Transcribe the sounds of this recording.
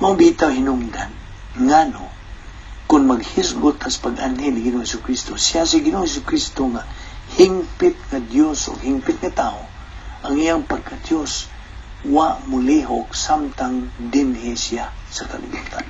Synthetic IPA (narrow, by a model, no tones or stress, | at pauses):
maŋbit̪awɦinʊŋd̪an | ŋano̰ | kʊnmaɡhɪsɡʊt̪̚kasḁpaɡanɦɛlnɪɡɪnoŋhɛsʊkɾist̪osiasiɡɪnoŋhɛsʊkɾist̪oŋahiŋpɪt̪̚ŋad̪joso̰ɡhiŋpɪt̪̚ŋat̪ao | ʔaŋijaŋpaɡ̚kad̪jos | waʔmʊliɦok̚samt̪aŋd̪ɪnɦɪsijasaka̰lɪ̰but̪an